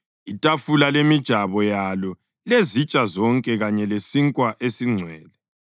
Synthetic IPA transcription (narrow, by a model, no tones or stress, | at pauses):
itʼafulalemid̥ʒ̥ʱaβɔjalɔ | lezit͡ʃʼazɔŋkʼɛɣaɲɛlesiŋkʼwaʔesiŋ͡ǀʱwɛːlɛ